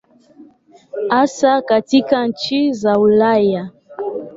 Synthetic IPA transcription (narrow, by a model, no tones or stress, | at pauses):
asakatikan̩t͡ʃizaulaja